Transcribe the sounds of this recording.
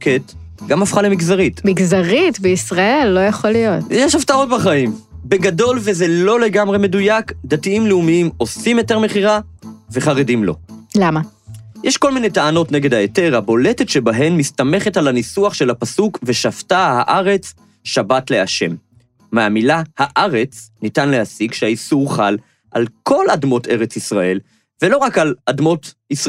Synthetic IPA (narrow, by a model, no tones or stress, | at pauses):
ket | ɡamafχalemiɡzaʁitmiɡzaʁitbeisʁaelːo̞jaχolijot̪jɛʃaftao̞t̚baχaimbeɡado̞lveze̞lo̞le̞ɡamʁe̞me̞dujakdatiimleumiimo̞simjo̞te̞ʁmeχiʁaveχaʁedimlo̞̰lama | jɛʃko̞lminejtaano̞tne̞ɡe̞dhaete̞ʁhabo̞le̞tetʃe̞baɦe̞nːistame̞χetalanisuaχʃe̞lapasukve̞ʃaftahaʔaʁe̞t͡s | ʃabatle̞aʃe̞mː | eamilahaʔaʁe̞t͡snitanlehasiɡʃeaisuʁχal | ʔa̰lkʰo̞ladmo̞te̞ʁe̞t͡sisʁae̞l | velo̞ʁakaladmo̞t | is